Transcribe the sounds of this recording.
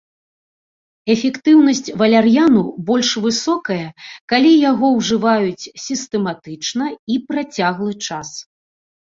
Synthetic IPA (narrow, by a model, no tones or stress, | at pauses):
ɛfʲɛkt̪ɨwnɐsʲt͡sʲvɐlʲarjanubɔlʲʂvɨsɔkɐjɐkalʲijaɣɔwʐɨvajut͡sʲsʲist̪ɛmat̪ɨt͡ʂnɐipɾat͡sʲaɣlˠɨt͡ʂas